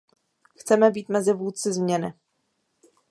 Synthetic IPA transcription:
xt͡sɛmɛbiːt̪mɛzɪvuːtt͡sɪzmɲɛnɪ

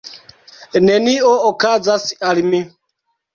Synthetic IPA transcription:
nɛniɔɔkad͡zasi̥alimi

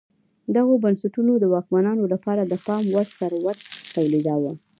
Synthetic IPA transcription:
d̪aɣobansaʈunod̪əwɑkmanɑnolapɑɾad̪əpɑmwaɾsaɾwaɾt̪awlid̪awa

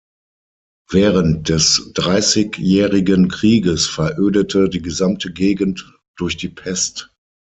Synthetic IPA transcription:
vɛːʁəntd̥ɛsd̥ʁaɪsɪkjɛːʁɪɡənkʁ̥iːɡəsfɛɐʔøːdətʰədiːɡəzamtʰəɡeːɡn̩t | d̥ʊɐçd̥iːpʰɛst

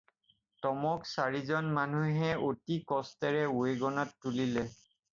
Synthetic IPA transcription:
tɔmɔksaɹizɔnmanuɦɛotikɔstɛɹɛueɡɔnɔtːulilɛ

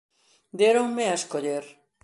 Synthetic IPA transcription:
d̪jeɾoŋmeaeskoʎeɾ

